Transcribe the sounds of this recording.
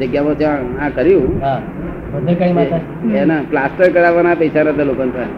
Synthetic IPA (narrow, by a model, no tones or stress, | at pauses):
əɡjamət̪eãkəɾjũɦã | bəd̪ʱekãĩmãt̪a | enaplasʈəɾkəɽaʋanapəjsanat̪əlokənt̪ae